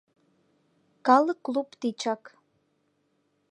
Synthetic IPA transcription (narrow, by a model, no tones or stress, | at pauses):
kalɨklupt̪it͡ʃʰak